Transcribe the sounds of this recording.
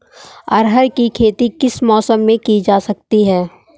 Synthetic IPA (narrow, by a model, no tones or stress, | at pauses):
ɐɾɦəɾkikʰeːt̪ikɪsmɔːsəmːẽkid͡ʒaːsɐk̚t̪iɦɛː